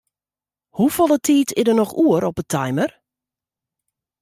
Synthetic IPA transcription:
hufolˠətʰiːtʰɪdənɔxuəɾɔpətʰajmər

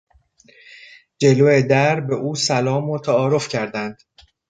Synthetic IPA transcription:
d͡ʒe̞loːed̪æɾbe̞ʔuːsælɒːmot̪ʰæɒːɾo̞fcʰæɾd̪ænd̪̥

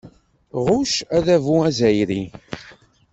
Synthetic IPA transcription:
ʁʊʃæðævuæzæjɾi

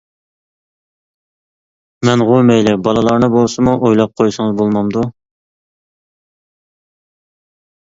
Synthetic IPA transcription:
mɛnʁomɛjlɪbɑlˠɨlˠɑɾnɨbolˠsɨmuʔojlˠɑp̚qʰojsɨŋɨzbolˠmɑmd̪u

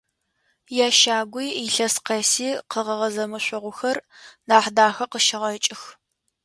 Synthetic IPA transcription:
jaːʃaːɡʷʊjiɬɐsqɐsiːqəʁɐʁɐzɐmɨɕʷʊʁʷʊxɐrnaːħdaːxɐqəʃɪʁɐt͡ʃʼɪx

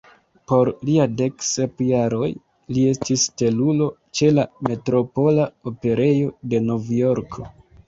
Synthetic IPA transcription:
po̞ɾliade̞ksepjaɾo̞j | lie̞stiste̞lulo̞t͡ʃe̞lame̞tɾo̞po̞laope̞ɾe̞jo̞de̞no̞vjo̞ɾkʰo̞

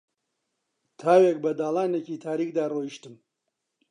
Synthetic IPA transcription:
t̪ʰaːwek̚bɐd̪aːlˠaːneciːt̪ʰaːɾiːkxd̪aːroːiʃt̪ɨm

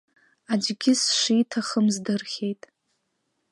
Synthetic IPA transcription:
ad͡ʒɡʲɪsʂitʰaχəmzdɨrχʲe̞jtʼ

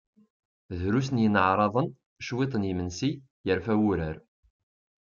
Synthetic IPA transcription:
ðɾusnjənʕɾˤɑðˤən | ʃwit̪ˤənimənsi | jəɾfæwuɾəɾ

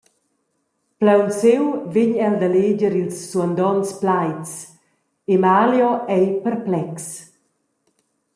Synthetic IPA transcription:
plawsewvɪɲɛld̪aled͡ʒəɾilsːuand̪ɔnsplajtt͡s | emaljɔɛjpɛɾplɛks

